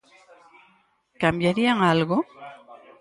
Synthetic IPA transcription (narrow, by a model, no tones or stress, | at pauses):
kambjaɾiaŋalɣo